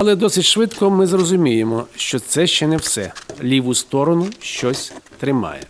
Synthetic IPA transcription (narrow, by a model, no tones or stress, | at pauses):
ɐlˠɛd̪ɔsɪtʲʃʋɪt̪kɔmɪzrɔzʊmʲijemɔʃt͡ʃɔt̪sɛʃt͡ʃɛnɛwsɛ̰lʲiʋʊst̪ɔɾɔnʊʃt͡ʃɔsʲt̪ɾɪmɑ̰jɛ̰